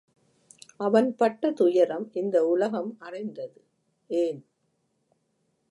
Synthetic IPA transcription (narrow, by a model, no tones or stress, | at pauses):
ʔɐʋɐnpɐʈːɐt̪ʊjɐɾɐmʔɪnd̪ɐʊlɐɣɐmɐrɐɪnd̪ɐðɯ | eːn